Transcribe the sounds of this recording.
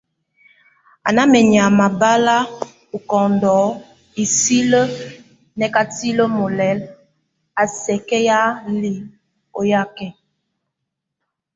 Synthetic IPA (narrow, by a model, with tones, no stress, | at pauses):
a̰˨na˦mɛ˨ɲ˨a˨ma˨ba˦la˦ | u˨kɔ˨ndɔ˨˦ | i˨si˦lə˦ | nɛ˨ka˨ti˦lə˦mo˨lɛ˨˦l | a˨sɛ˨kɛ˦ja˦li˨˦ | o˨ja˦˨kɛ˦